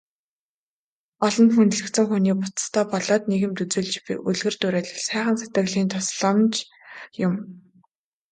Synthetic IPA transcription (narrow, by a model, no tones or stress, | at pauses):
ɔɮɞ̆nt̪xunt̪̆ɮɘ̆kt̪sɘ̆ŋxuniːpʊt̪̆t̪ʰœːpɔɮɔːt̪neɣɘ̆mt̪ut͡sɵːɮt͡ɕpʲḭʔuɮɣɘ̆r̥t̪uɾæːɮɘ̆ɮsæːχə̆nset̪ə̆ɣɮiːnt̪ʰɔsɮə̆mt͡ɕ | jʊm